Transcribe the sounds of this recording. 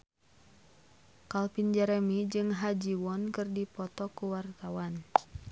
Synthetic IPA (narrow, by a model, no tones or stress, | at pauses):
kalpind͡ʒɛɾɛmid͡ʒɨŋɦad͡ʒiwɔnkɨrdipɔt̪ɔkuwart̪awan